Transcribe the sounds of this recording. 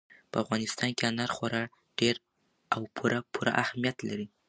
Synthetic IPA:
pəafɣɑnɪst̪ɑnkeanaɾxoɾɑɽ | ɖ̥eɾ | awpʰuɾapʰuɾa̰ʔahmijat̪laɾi

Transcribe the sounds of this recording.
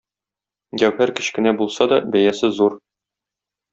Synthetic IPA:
ɡæwhæɾkɘ̥̆ɕkɘ̆næbulˠsɑd̪ɒbæjæsɘzuɾ

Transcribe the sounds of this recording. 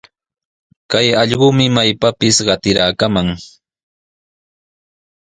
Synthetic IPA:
kajɑʎɢʊmɪmajpapɪsɢɑt̪ɪɾaːkamaŋ

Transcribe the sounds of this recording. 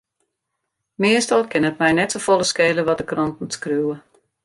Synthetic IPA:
mɪəstɔlˠkɪnət̚mɛjnɛtsofolˠəskeːləʋɔt̚dəkrɔntn̩skrywə

